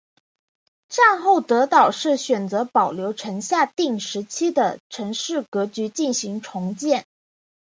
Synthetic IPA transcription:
ʈ͡ʂɑ˥˧ŋxo˥˩ʊt̪ɤ˧˥t̪ɑ˨˩ʊʂɻ̩˥˩ɕɥɛ˨˩nt͡sɤ˧˥pɑ˨˩ʊljo˧˥ʊʈ͡ʂʰə˧˥ŋɕja˥˧t̪i˥˩ŋʂɻ̩˧˥t͡ɕʰi˥d̪ə˨ʈ͡ʂʰə˧˥ŋʂɻ̩˥˩kɤ˧˥t͡ɕy˧˥t͡ɕi˥˩nɕi˧˥ŋʈ͡ʂʰʊ˧˥ŋt͡ɕjɛ˥˩n

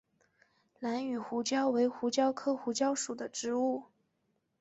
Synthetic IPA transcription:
la˧˥ny˨˩xu˧˥t͡ɕjɑ˥ʊwe˧˥ɪxu˧˥t͡ɕjɑ˥ʊkʰɤ˥xu˧˥t͡ɕjɑ˥ʊʂu˨˩d̪ə˦ʈ͡ʂɻ̩˧˥u˥˩

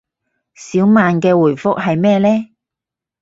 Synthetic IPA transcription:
siː˨˥wmaː˨nkɛː˧wuː˨˩jfʊ˥k̚ɦɐ˨jmɛː˥lɛː˥

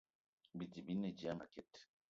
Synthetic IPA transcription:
bi˨ti˨bi˦nːe˨d͡ʒi˨a˦ma̰˨kɛ˦˨t

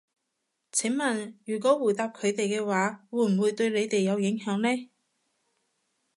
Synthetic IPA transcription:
t͡sʰɪ˨˥ŋmɐ˨˩njyː˨˩k̬ɔː˨˥wuː˨˩t̪aː˧p̚kʰɵ˨˧ɥt̪e˨jkɛː˧waː˨˧˥wuː˨˧˥m̩˨˩wuː˨˧jt̪ɵ˧ɥle˨˧jt̪e˨jːɐ˨˧wjɪ˨˥ŋɦœː˨˥ŋlɛː˥

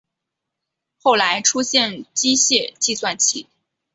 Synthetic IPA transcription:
xo˥˩ʊla˧˥ɪʈ͡ʂʰu˥ɕjɛ˥˩nt͡ɕi˥ɕjɛ˥˧t͡ɕi˥˧swa˥˩nt͡ɕʰḭ˧˥

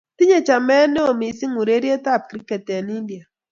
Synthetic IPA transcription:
ti˦ɲe˨t͡ʃa˨mɛ˦ne˦o˨mi˨˦si˦ŋu˨ɾe˦ɾje˦ta˦˨p̚ki˨ɾi˦ke˨tɛ˨ni˦n˦di˨a˨

